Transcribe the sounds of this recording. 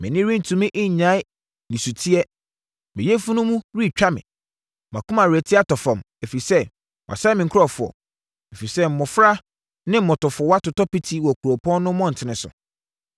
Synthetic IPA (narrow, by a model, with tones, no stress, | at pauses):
mɪ̃˨nɪ̃˦ɾĩ˦n̩˨tʰũ˨mɪ̃˦ʔɪ˦ɲ˨ɲã˦ɪ˦ | nĩ˨su˨tʰi˦ɛ˦ | mɪ̃˨jɛ˦fu˦nʊ̃˦mũ˦ɾi˦˨t͡ɕᶣa˦mɪ̰̃˨ | mã˨kʰũ˦mã˨ɾɪ˨ɛ˨tʰɪ˦a˦˨tɔ˨fɔ̃˨m | e˨fi˨sɛ˦ | wʔa̰˨sa˦mɪ̃˨ŋ̩˦kʰʊ˦ɾɔ˦˨fʊ˨ɔ̰˨ | e˨fi˨sɛ˦m̩˨mɔ̃˨fɾa˦ | nɪ̃˦m̩˦mɔ̃˨tɔ˨fɔ˨wa˦tʊ˨tɔ˦pi˦tʰi˦wɔ˨kʰu˨ɾo˨pʰɔ̃˦nː˦ʊ̃˦mɔ̃˦n̩˨tʰɪ˨nɪ̃˨sʊ̰˨